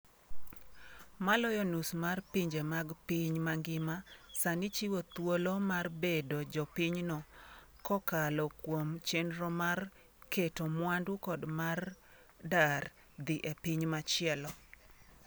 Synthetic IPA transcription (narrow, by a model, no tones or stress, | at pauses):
malɔjɔnusmarpiɲd͡ʒemaɡpiɲmaŋɡɪmasanit͡ʃiwot̪wolomarbedod͡ʒɔpiɲnɔ | kɔkalɔkwomt͡ʃenɾɔmar | ketomwandʊkɔdmar | dar | d̪iʔepiɲmat͡ʃɪɛlɔ